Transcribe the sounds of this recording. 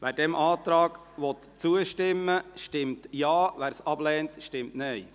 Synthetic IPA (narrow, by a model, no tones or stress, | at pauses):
ʋæːɾdɛmʔɑːt̪ɾɑːɡ | ʋɔt̪t͡suəʃtɪmːəʃtɪmtjɑːʋæːɾsɑb̥lɛːntʃtɪmtnɛɪ